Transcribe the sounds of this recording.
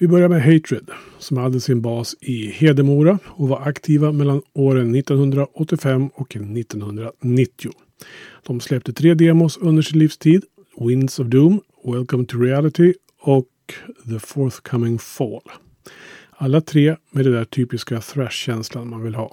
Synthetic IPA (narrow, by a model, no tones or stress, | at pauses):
vɪbœɾjaɾmɛɦɛɪt̪ʰɾɪd̪ | sɔmhad̪ːəsɪnbɑːsɪheːd̪əmuːɾaɔvaɾakt̪ʰiːvamɛlːanoːɾənːɪt̪ːɔnhɵnd̪ɾaʔɔt̪ːɪfɛmːɔknːɪt̪ːɔnhɵnd̪ɾanɪt̪ːɪʊ | d̪̥ɔmslɛp̚t̪ət̪ʰɾeːd̪eːmʊsɵnd̪əʂɪnliːfst̪ʰiːd̪ | wɪnd̪sɔvd̪uːm | wɛlkɔmt̪ʰɵɾɪælɪt̪ɪ | ɔk | ðəfɔɾθkʰamɪŋfɔːl | alːat̪ʰɾeːmɛd̪ɛd̪æʈʰyːpɪskaθɾɛʂɕɛnslanmanvɪlɦɑ̰ː